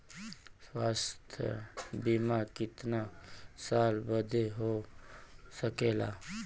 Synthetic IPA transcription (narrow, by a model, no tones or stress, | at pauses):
swaːst̪ʰj̰bɪmakɪt̪nasaːlbəd̪ʱeɦo | səkeːla̰ː